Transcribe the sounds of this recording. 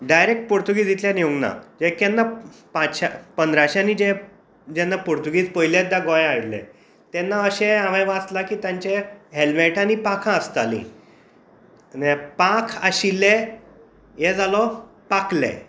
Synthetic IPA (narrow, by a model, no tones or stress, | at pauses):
ɖajɾek̚ʈ̚poɾt̪uɡiːd͡z̪ʱit̪ljanioŋna̰d͡ʑekɛnːapãt͡sɕapənd̪ɾaɕanid͡ʑe | d͡ʑɛnːapoɾt̪uɡiːt͡spəjljet̪̚d̪jaɡõjẽaɽlḛ | t̪ɛnːaəɕẽaʋẽʋat͡s̪lakiːt̪jãɲt͡ɕeɦelmeʈʰanipãkʰãəst̪alḭ̃ | nepãkʰaɕilːe | jed͡zalɔ | paklḛ̃